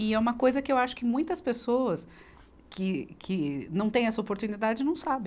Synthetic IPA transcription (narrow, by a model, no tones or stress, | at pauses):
ɪɛũmɐkojzɐkɪewaʃʊ̥kɪmũj̃t̪ɐspesoɐs | kʰɪkʰɪnɐ̃t̪ẽj̃ɛsɐopoɾt̪unid̪ad͡ʒɪnɐ̃w̃sabẽ